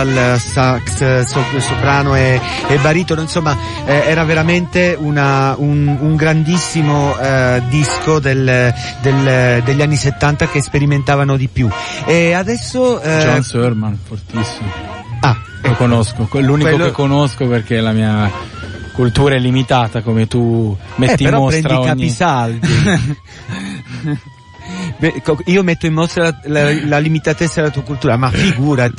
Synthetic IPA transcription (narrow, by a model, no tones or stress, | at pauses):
alsakssoosobɾaːnoɛ | ɛbːaɾiːt̪onoinsomːa | ɛːɾaveɾament̪eunaunuŋɡɾand̪isːimod̪iskod̪el | d̪eld̪eʎːanːiset̪ːant̪akespeɾiment̪aːvanod̪ipjuɛad̪ɛsːod͡ʒɔnsɛɾmanfort̪isːimoa | okonoskokeluːnikeolːkekːonoskoperk̟elamiːa | kult̪uːɾaɛlːimit̪aːt̪akomet̪umeɛieɾɾɔmopsɾɛnt̪ɾaiokaɲːisald̪i | pekiːomet̪ːoimːost̪ɾalalalalimit̪at̪et̪sːad̪elat̪uakult̪uːɾamafiɡuːɾa